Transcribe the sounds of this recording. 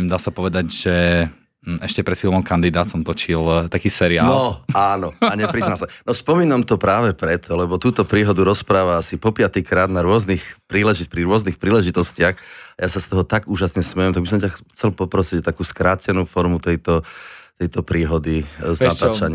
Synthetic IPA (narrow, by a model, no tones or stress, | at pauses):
d̪aːsapɔʋɛd̪aɟʒɛ | ɛʃcɛpɾɛt̪filˠmɔmkand̪id̪aːt̪sɔmt̪ɔt͡ʃilt̪akiːsɛɾiaːnlɔaːnɔaɲɛpɾiznasanɔspɔmiːnamt̪ɔpɾaːʋɛpɾɛt̪ʰɔlɛbɔt̪uːt̪ɔpɾiːɦɔd̪uɾɔspɾaːʋaasipɔpɪat̪ikɾaːd̪naɾʊɔznixpɾiːlɛʒipɾiɾʊɔznixpɾiːlɛʒit̪ɔscɪaxajasast̪ɔɦɔt̪aɡuːʒasɲɛsmɛjɛmt̪aɡbisɔmcaxt͡sɛlpɔpɾɔsict̪akuːskɾaːcɛnuːfɔɾmut̪ɛjt̪ɔt̪ɛjt̪ɔpɾiːɦɔd̪izat̪aːt͡ʃaɲɪ